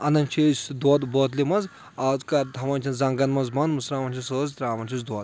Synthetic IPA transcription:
ɐnɐnʲt͡ʃʰisʲd̪woːt̪boːt̪limɐz | ɐzkɐɾt̪ʰɐmɐnt͡ʃʰinzɐŋɡɐnmɐzmɐnmɐsɾaːmɐnt͡ʃʰisəːzt̪ɾaːmɐnʲt͡ʃʰisd̪wɐːt̪

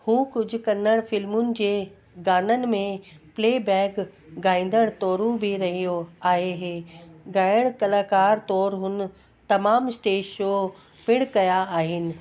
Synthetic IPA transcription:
hũːkʊd͡ʑʱʊ̆kɐnəɽ̃fɪlmʊnɪ̆d͡ʑeː | ɡaːnənɪ̆mẽpleːbɛːkɡaːĩːn̆d̪əɽ̃t̪ɔːɾũbʱiɾɐɦijoaːɦeɦeːɡaːɪɽ̃kɐlaːkaːɾt̪ɔːɾɦʊn̆ | t̪ɐmaːmsʈeːʃo | pɪɽkɐjaaːɦɪnɪ̆

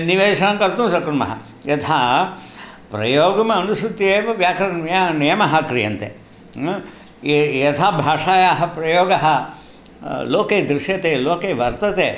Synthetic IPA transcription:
niʋeːʂɐɳɐ̃ŋkɐɾt̪ũːsɐkuɾmɐ̰ɦɐ̰ | jɐt̪ʰaː | pɾɐ̰joːɡɐmɐːnusɾut̪ːieːʋɐʋjaːkɐɾɐjɐnijɐmɐɦɐkɾijɐ̰nt̪ḛ | jɐt̪ʰaːbʱaːʂaːjaːɦɐ̆pɾɐjoːɡɐɦɐ̆ | loːkeːd̪ɾiʃjɐt̪eːloːkeːʋɐɾt̪ɐt̪eː

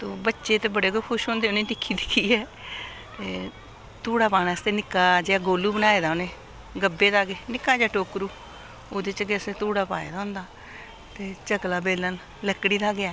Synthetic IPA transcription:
t̪oːbətːʃeːt̪eːbəɽeːkoːkʰʊʃɦõːnd̪eːʊnẽːʈɪkʰːiːd̪ɪkʰːiːɛː | t̪eː | t̪uːɽaːpaːnaːəst̪eːnɪkːaːd͡ʒeaːɡoːluːbənaːeːd̪aːʊneː | ɡəbːeːd̪aːɡeːnɪkaːd͡ʒeaːʈoːkɾuː | oːd̪et͡ʃɡeəsẽːt̪uːɽaːpa̰ːḛːd̪aːɦʊ̃ːnd̪aː | t̪eːt͡ʃəɡlaːbeːlən | ləkːɽiːd̪aːɡɪaː

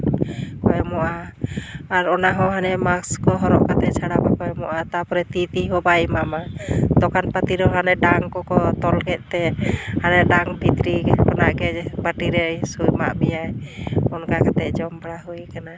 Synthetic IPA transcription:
kɔɛmɔʔaː | ɾɔnaɦɔ̃ɦanɛmakskɔɦɔɾɔʔkat̪ɛt͡ʃʰaɽabakɔɛmɔʔat̪apɔɾɛt̪it̪iɦɔbaimamad̪ɔkanpat̪iɾɔɦanɛɖaŋkɔkɔt̪ɔlkɛʔ̪̚ˀt̪ɛhanɛɖaŋbʱit̪ɾipɔnaʔɡɛbəʈiɾɛsujma̰ʔbɛjajɔnkakat̪ɛʔd͡ʒɔmbaɽaɦujkana

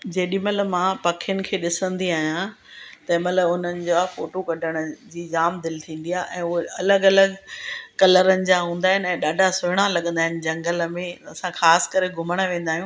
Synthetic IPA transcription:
d͡ʑeːɗĩmɐt̪ləbmãpɐkʰɪjənɪ̆kʰeːɗɪsə̃nd̪iaːɦijã | t̪ɐmɐt̪ləbʊn̤ənɪ̆d͡ʑoafoːʈokɐɖʱəɽ̃əd͡ʑiːd͡ʑaːmd̪ɪlt̪ʰĩːn̆d̪ijaʔɛ̃ːʊɦeɐləɡɐləɡkɐləɾənɪ̆d͡ʑaɦũːnd̪aːɦɪnɪ̆ɛ̃ːɗaːɖʱasʊɪɽ̃alɐɠə̃nd̪aːɦɪnɪ̆d͡ʑɐ̃ŋɡələmẽɐsãxaːsɪ̥kɐɾeɡʱʊməɽ̃əʋẽːn̆d̪aːɦjũː

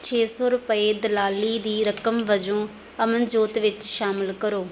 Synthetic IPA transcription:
t͡ʃʰeːsɔːɾʊpəeːd̪əlaːliːd̪iːɾəkəmʋəd͡ʒõː | əmənd͡ʒoːt̪ʋɪt͡ʃʃaːmɪlkəɾoː

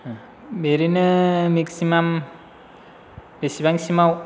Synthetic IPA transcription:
beɾinɯmiksimam | besibaŋsimaw

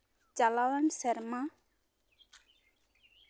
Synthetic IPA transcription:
t͡ʃalawansɛɾma

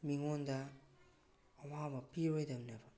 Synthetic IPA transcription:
miŋondɐ | wabɐpiɾojdɐmnɐbɐ

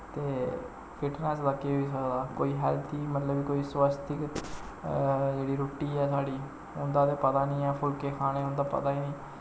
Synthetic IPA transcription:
t̪eː | pʰɪʈnɛːs̬ləkːeːɦoiːs̬əkd̪aːko̰ːiːɦɛːlt̪ʰiːmət̪ləbiːkoːiːswəst̪ʰɪk | d͡ʒeːɽiːɾoːʈiːɛːsaːɽiː | ʊnd̪aːt̪eːpət̪aːnĩːaːpʰʊlkeːkʰaːneːʊnd̪aːpə̰t̪aːiːniː

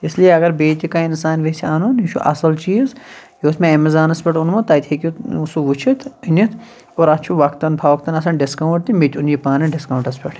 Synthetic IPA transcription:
ɪslijeɐɡɐɾbeːt̪ʲikaɪnsaːnʋeseaːnuniʃʰṵʔɐ̰sɐlt͡ʃiːzjoːsmẽɐmizaːnɐspʲeʈunmɐt̪ɐːjt̪ʲʰeːkisuʋut͡ʃʰit̪ʰinit̪ʰ | oːɾɐt̪t͡ʃʰuʋɐkt̪ɐnpʰaːʋɐkt̪ɐnɐs̬ɐnɖɪskɐwɳʈt̪imet̪ʲunjipaːnɐɖɪskɐwɳʈɐspʲeʈʰ

